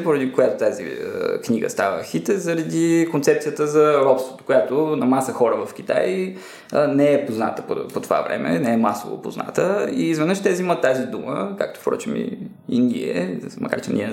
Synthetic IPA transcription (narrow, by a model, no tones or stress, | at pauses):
poɾɐd̪ikojat̪ot̪azḭəkniɡə̰st̪avə̰xit̪ɛzɐɾɐd̪ikont̪sɛp̚t̪ijət̪əzɐɾɔpst̪vot̪o̥kojat̪onɐmasəxɔɾəvɐfk̟it̪a̰j | nɛɛpozna̰t̪əpopot̪ova̰vɾɛ̰mʔɛnɛɛmaso̰vo̰po̰zna̰t̪əiːzvɛnəʃt̪ɛziimət̪ːazid̪uməka̰kt̪o̥fpɾɔ̰t͡ʃimḭ | ind̪ʲiɛ̰mʔɐka̰ɾt͡ʃɛ̰niɛ